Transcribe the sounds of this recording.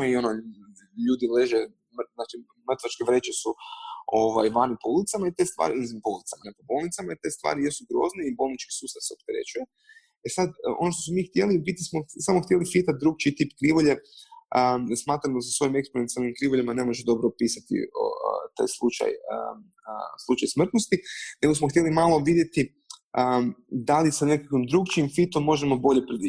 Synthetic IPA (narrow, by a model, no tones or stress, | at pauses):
io̞no | ʎuːd̪ile̞ʒe | mznaːt͡ʃi | mrt̪ʋat͡ʃkeʋɾet͡ʃesuoʋajʋanipoulit̪samait̪e̞st̪ʋa̰ːɾiinzimpoulit̪samanekobo̞lˠnit̪samait̪est̪vʋa̰ːɾijesuɡɾo̞̰ːzneibo̞lˠnit͡ʃki̥suːst̪avseop̚t̪eɾe̞̰t͡ʃuje̞ | esad̪ʔo̞̰noʃt̪osmomixt̪je̞libit̪ːismosamoxt̪je̞lifit̪at̪̚d̪ɾuːɡ̚t͡ʃit̪iːpkɾiʋoʎeəsmaːt̪ɾamd̪asasʋojime̞ksponent̪alnimkɾiʋoʎemane̞mo̞ʒed̪o̞bɾopiːsat̪ḭo̰t̪a̰jslˠut͡ʃa̰jə̰ | əslˠut͡ʃajsmr̩t̪nost̪ine̞ɡosmoxt̪je̞limalˠo̞ʋid̪je̞t̪i | əd̪alisane̞kakʋimd̪ɾuɡt͡ʃimfit̪o̞mːo̞ʒemo̞bo̞ʎe̞pɾed̪i